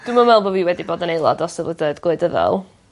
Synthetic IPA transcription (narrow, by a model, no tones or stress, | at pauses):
d̥umamɛlˠbɔviːwɛdiboːdənejlˠɔ̰dɔsəvədədɡ̥oɨdəðɛ̰lˠ